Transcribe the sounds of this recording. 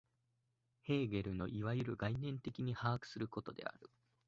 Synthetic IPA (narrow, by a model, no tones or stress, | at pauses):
he̞ːɡe̞ɾɯ̟no̞ʔiβaɯɾɯ̟ɡainẽ̞nt̪e̞kʲiɲ̟ihaːkɯ̥sɨɾɯ̟ko̞t̪o̞d̪e̞̰a̰ɾɯ̟